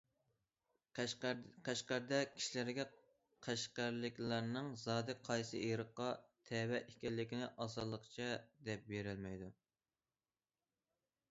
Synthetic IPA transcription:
qʰæʃqæɾd̪ɛkʲʰi̥ʃilɪɾɡʲɛ | qʰæʃqæɾlɪkʲlˠɑɾnɨŋzɑːd̪ɨqʰɑjsɨ̰ʔiɾəqːɑt̪ʰɛwɛʔikʲɛlːɪkʲinɪʔɑzɑd̪lˠəqt͡ʃʰɛd̪ɛp̚beɾɪlmɛjd̪u

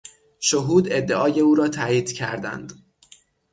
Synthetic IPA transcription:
ʃoɦuːd̪e̞d̪ːe̞ʔɒːje̞uːɾɒːt̪ʰæːjiːd̪̥cʰæɾd̪æ̰nd̪̥

